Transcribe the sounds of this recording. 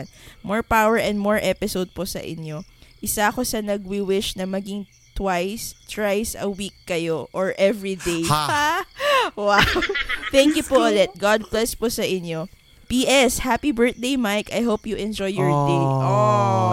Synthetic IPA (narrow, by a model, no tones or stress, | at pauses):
nmoɹpawɛɹʔɛ̃nd̪̚moɹʔɛpɪsowd̪̚posɐ̰ʔɪ̰ɲo̞ʔɪsaɐko̞sɐnɐɡ̚wɪwɪʃnɐmɐɡɪŋ | t̪wajst̪wajsɐwikːɐjoʔɔɹʔɛvɹid̪ej | wawt̪ɛŋkjʊpoʔolɛt̪̚ɡad̪̚plɛsposɐʔɪno | piːʔɛshapibɛɹt̪̚d̪ejmajkɐjɦowpjʊʔɛ̃nd͡ʒɔjːɔɹt̪ẽʔo